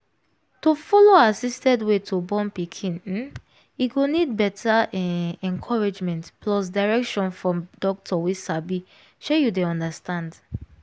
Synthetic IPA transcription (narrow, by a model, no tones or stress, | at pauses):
tufɔloasistɛdwetʰubɔ̃mpikʰĩn̩ | iɡonid̚bɛtʰaɛɛ̃ŋkʰɔɹed͡ʒmɛ̃ntplɔs̬daɹɛkʃɔ̃nfɹɔ̃mdɔk̚tʰɔwisabi | ʃojudeɔ̃ndastãnd